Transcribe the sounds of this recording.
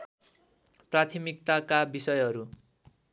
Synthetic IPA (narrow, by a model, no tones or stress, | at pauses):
prat̪ʰimik̚t̪akabisʌjɦʌɾu